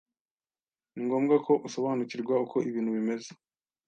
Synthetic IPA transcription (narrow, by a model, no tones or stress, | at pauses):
niŋɡo̞ːmɡako̞ʔuso̞βaːnuciɾɡwauko̞iβiːnhuβime̞ze̥